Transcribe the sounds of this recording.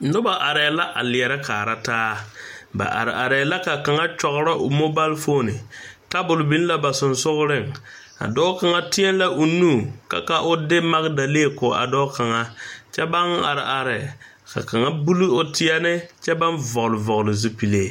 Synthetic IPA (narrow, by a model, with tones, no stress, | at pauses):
nʊ˦ba˨ʔa˨ɾɛː˨la˦ʔa˨lɪ˨ɛ˨ɾɛ˦kaː˨ɾa˦taː˦ba̰˨ʔa̰˨ɾɪ˨a˨ɾɛ˨la˦ka˨ka˨ŋa˦t͡ʃɔ˨ɣʊ˦ɾa˦ʔʊ̰˨mo˦ba˦lfo˦nɪ˨ka˦bʊ˨lʊ˨bi˦n˦la˦ba˨sʊ˨nsʊ˦ɣʊ˦ɾɪ˦˨ŋ | a̰˨dɔː˦ka˨ŋa˦tɪ˦ɛ˦n˦la˦ʔʊ˨nuː˦˨ka̰˨ka˦ʔʊ˦dɪ˦ma˦ɣda˨le˦˨kʊ˨ʔa̰˨dɔː˦ka˨ŋa˦t͡ʃɛ˦ba˦ŋ˦a˨ɾɪ˨ʔa˨ɾɛ˨ | ka̰˨ka˨ŋa˦bu˦lu˦o˦tʰɪ˦ɛ˦nɪ˦t͡ʃɛ˦ba˦nvɔ˨ɣʊ˨lɪ˨vɔ˨ɣʊ˨lɪ˨zu˦pi˨le˦˨